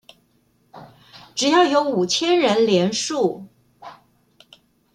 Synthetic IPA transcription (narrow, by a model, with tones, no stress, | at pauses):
ʈ͡ʂɻ̩˨˩jɑ˥˩ʊjo˧˥ʊu˨˩t͡ɕʰjɛ˥nɻə˧˥nljɛ˧˥nʂu˥˩